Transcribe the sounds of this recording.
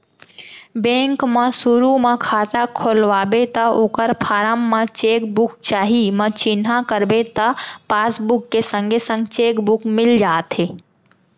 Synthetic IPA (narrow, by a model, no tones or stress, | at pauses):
bẽːŋkmãsʊɾumãkʰaːt̪akʰoːlʋaːbet̪əoːkəɾpʰaːɾəmːãt͡ʃeːkbʊk̚t͡ʃaːɦimə̃t͡ʃɪnɦakəɾbet̪əpaːsbʊkːesə̃ŋɡʱesə̃ŋɡt͡ʃeːkbʊkmɪld͡ʒaːt̪ɦeː